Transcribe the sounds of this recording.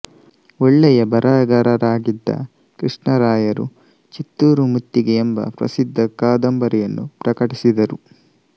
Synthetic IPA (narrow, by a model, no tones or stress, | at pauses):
ɔɭːɛjɐbɐɾaːɐɡɐɾɐɾaːɡid̪ːɐ̰ | kɾiʂɳɐɾaːjɐɾṵ | t͡ʃit̪ːuːɾumut̪ːiɡeembɐ̰pɾɐ̰sid̪ʱːɐkaːd̪ɐmbɐɾijɐnːupɾɐkɐʈisid̪ɐɾu